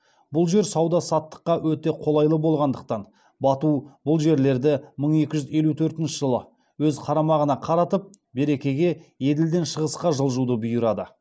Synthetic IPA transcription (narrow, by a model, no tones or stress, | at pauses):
bʊlˠʒe̞ɾsɑwd̪ɑsɑt̪ːə̥qːɑwɵt̪e̞qʰo̞lˠɑjlˠəbo̞lˠʁɑnd̪əq̚t̪ɑn | bɑt̪ubʊlˠʒe̞ɾle̞ɾd̪ɪməɴe̞kʲɪʒʏze̞lut̪ʰɵɾt̪ɪnʃəʒəlˠə | wɵzqʰɑɾɑmɑʁənɑqʰɑɾɑt̪əp̚ | be̞ɾe̞kʲe̞ɡʲe̞je̞d̪ɪld̪e̞nʃəʁəsqɑʒəlˠʒud̪əbʊjəɾɑd̪ə